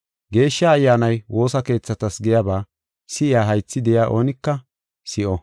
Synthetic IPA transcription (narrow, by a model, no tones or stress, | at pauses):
ɡe̞ːʃːaɐjːaːnɐjwʔo̞ːsɐke̞ːt͡sːɐt̪ɐsɡɛjabaː | sɪʔɪaːɦɐjt͡sːɪd̪ɛjaːʔo̞ːnɪkːɐ | sɪʔɔ